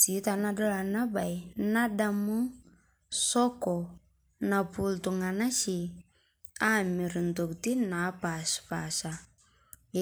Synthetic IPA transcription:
si˨˦ta˨na˦dɔ˦la˨na˦ba˨jna˦da˦mu˦ | sɔ˦kɔ˨ | na˨pu˨ltu˨ŋa˨na˦ʃi˨ | a˦mi˨ɾn˨to˨kti˦na˨˦pa˨spa˨ʃa˨

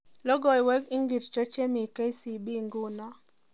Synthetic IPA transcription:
lɔ˦ɡɔ˨jwɛ˦ki˦ŋɡi˨ɾt͡ʃɔ˦t͡ʃe˦mi˨ke˦i˦si˨bi˦ŋɡʊ˦na˦

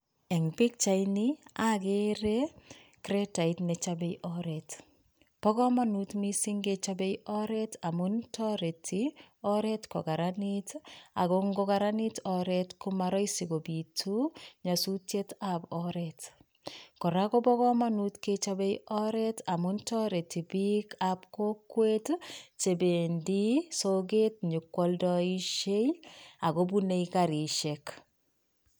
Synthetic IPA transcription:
ɛ˨ŋbi˦k̚t͡ʃa˨ini˦ake˦ɾe˦kɾɛ˦ta˨i˦tnɛ˨t͡ʃabe˦jʔɔɾɛt | pɔ˦kɔ˦ma˦nutmi˦si˦ŋɡe˨t͡ʃa˦be˦jɔ˦ɾɛ˦ta˨muntɔ˦ɾe˨tʰi˦ɔ˦ɾɛ˦tkɔ˨ka˨ɾanita̰˨ɡɔŋɡɔ˦ka˦ɾani˦tɔɾɛtku˦ma˦ɾɔ˦isiɡo˨bi˨tʰu˦ɲasu˦tjetabɔɾɛt | kɔ˨ɾakɔ˦bɔ˦kɔ˦manutket͡ʃabejɔɾɛta˨muntɔɾe˨ti˨bikapkokwett͡ʃebe˨ndi˦soɡe˦t̚ɲu˨kːɔldɔiʃeja˨ɡobune˦ikaɾi˨ʃɛk

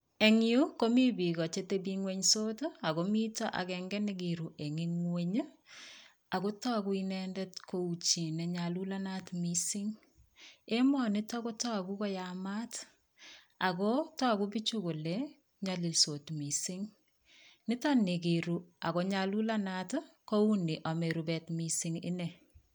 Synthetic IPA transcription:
e˨ŋju˦komi˦bi˨kɔ˨t͡ʃe˦tebiŋwe˦ɲso˦ta˨komi˦tɔ˦ʔa̰˨kɛŋɡɛneɡiɾu˨ʔe˨ŋiŋweɲ | a˨ko˦tɔ˦kuinɛndɛ˦tkʰou˨t͡ʃi˨nɛɲalu˦lanatmisɪ˦ŋ | e˦mɔnɪ˦tɔ˦ko˦tɔ˦ku˦kɔ˦jama˦t | a˨kɔtɔ˦˨ku˦bi˦t͡ʃu˦ko˨le | ɲɔ˨li˨lso˨tmisɪ˦ŋ | nɪ˦tɔ˦ne˨ɡi˨ɾu˨a˨kɔ˦ɲalu˦la˦nat | ko˦u˦ni˨ʔa˨me˨ɾubɛ˨tmisɪŋɪ̰˦nɛ˨

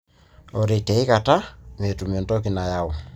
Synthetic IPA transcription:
ɔ˨ɾe˨tɛ˨i˦ka˨ta˦me˨tu˨mɔ˨ntɔ˦ki˨na˨ja˦ɔ˨

